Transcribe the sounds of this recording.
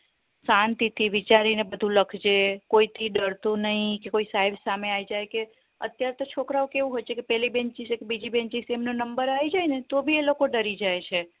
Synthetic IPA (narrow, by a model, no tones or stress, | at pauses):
sant̪it̪ʰiʋit͡ʃaɾinebəd̪ʱũləkʰd͡ʒekoit̪ʰiɖəɾt̪unəɦĩkekoisaɦebsameaid͡ʒajke | ə̰t̪jaɾet̪ot͡ʃʰokɾaokeʋũɦojt͡ʃʰekepɛlibẽnt͡ʃisekebid͡ʒibẽnt͡ʃisemnonəmbəɾaid͡ʒajnet̪obʱielokoɖəɾid͡ʒajt͡ʃʰe